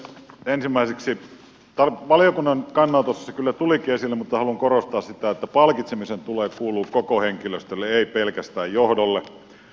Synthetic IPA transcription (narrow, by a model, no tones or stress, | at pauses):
ensimːˑæˑiseksi | t̪ɑlʋɑlijokunːɑnkɑnːɑlt̪osːɑ̥sekylːæt̪ulikiesilːemut̪ːɑhɑluŋkorost̪ɑːssit̪æet̪ːæpɑlkit̪semisent̪uleːkuːluːkokoheŋkiløst̪ølːeeipelkæst̪æːjjohdolːe